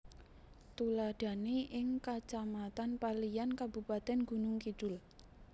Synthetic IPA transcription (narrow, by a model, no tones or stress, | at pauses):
t̪ulad̥a̤neʔɪŋkat͡ʃamat̪anpalijankabupat̪ɛnɡ̥ṳnʊŋkid̥ʊl